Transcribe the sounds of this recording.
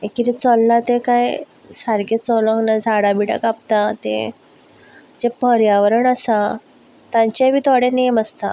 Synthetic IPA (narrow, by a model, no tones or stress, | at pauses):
ekiɾit͡sɔlːat̪ekaj | saɾɡet͡sɔləŋɡnad͡zʱaɽabiɽə̰kap̚t̪at̪ḛ | d͡ʑepəɾjaʋəɾəɳəsa | t̪ãɲt͡ɕaʋiːt̪oɽẽneməst̪a̰